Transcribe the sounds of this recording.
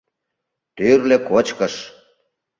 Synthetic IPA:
t̪yrlekot͡ɕkəʃ

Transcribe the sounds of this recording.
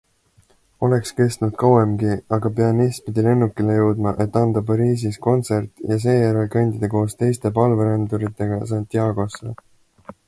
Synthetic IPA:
o̞le̞kske̞st̪nud̪̥kɑwemɡiɑɡ̥ɑpe̞ɑniːspid̪̥ile̞nːukːˑilejəwd̪mɑʔe̞t̪ːˑɑnd̪̥ɑpɑɾiːs̬isko̞nt̪se̞rt̪ˑjɑs̬e̞ːjæɾelkɑnʲd̪̥id̪ɑko̞ːst̪e̞jst̪e̞pɑlveɾend̪uɾit̪ːˑe̞ɡ̥ɑs̬ɑnt̪ʲːˑjɑːɡ̥o̞slḛ

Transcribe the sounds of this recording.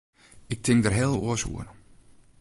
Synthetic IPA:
ɪk̚tʰɪŋ̚dərɦɛːlˠṵəsṵər

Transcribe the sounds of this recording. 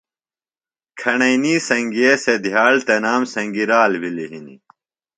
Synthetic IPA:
kʰɐɳɐjniːsɐŋɡiesed̪ʱjaːɭt̪enaːmsɐŋɡiɾaːlbiliɦinḭ

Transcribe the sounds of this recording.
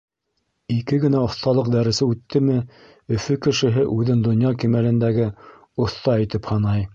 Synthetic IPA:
ikɘɡɘ̆næŏθt̪ɑlˠɤq̚d̪æɾɘ̆sɘʉt̪ːɘmɘ | ɵ̆fɵkɘ̆ʃɘ̆ɦɘʔʉðɘnd̪ŏnjɑkimælɘ̆nd̪æɡɘ | ŏθt̪ɑæ̆jt̪ɘphɑnɑj

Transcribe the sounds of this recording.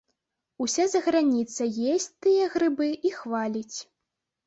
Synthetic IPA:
usʲazɐɣɾanʲit̪sɐjesʲt͡sʲt̪ɨjɐɣɾɨbɨʔixvalʲit͡sʲ

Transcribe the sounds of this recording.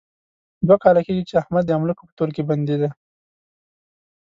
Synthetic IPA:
d̪wakɑlakeɡit͡ʃeahmad̪ːəamlukopə̥t̪oɾkeband̪id̪a

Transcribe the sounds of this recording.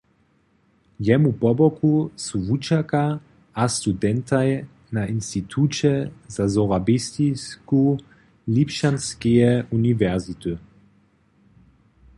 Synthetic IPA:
jɛmupɔbɔkusuvut͡ʃaka | ast̪ud̪ɛnt̪ʰaj | nainst̪it̪ʰut͡ʃɛzazɔʁabist̪isku | lipʃanskiɛunivɛʁzit̪u

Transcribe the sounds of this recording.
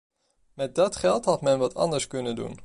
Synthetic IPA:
mɛt̚dɑtχɛlˠtɦɑtmɛnʋɑtʰɑ̰ndəɹskɵnəndṵn

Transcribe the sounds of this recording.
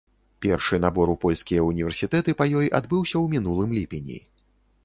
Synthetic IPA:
pʲɛrʂɨnabɔɾupɔlʲskʲijɐunʲivʲɛrsʲit̪ɛt̪ɨpɐjɔjʔad̪bɨwsʲɐwmʲinulˠɨmlʲipʲenʲḭ

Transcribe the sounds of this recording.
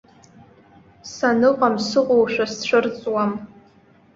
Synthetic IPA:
sanɨqʼamsɨqʷʼowʃᶣast͡ɕʷɨrt͡sʼwam

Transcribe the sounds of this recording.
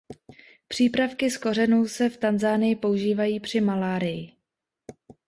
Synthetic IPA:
pr̝̥iːpɾafkɪskor̝ɛnuːsɛft̪anzaːnɪjɪpo̞uʒiːvajiːpr̝̥ɪmalaːɾɪjɪ

